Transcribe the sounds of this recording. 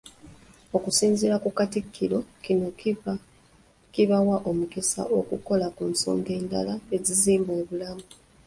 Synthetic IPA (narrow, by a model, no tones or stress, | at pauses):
o̞kusiːnziɾakukatikʰːiɾo̞kino̞k | kiβawaʔo̞mukisa̰ʔo̞kuko̞lakunso̞̰ːŋɡe̞ːnda̰lae̞ziziːmbeːβulamu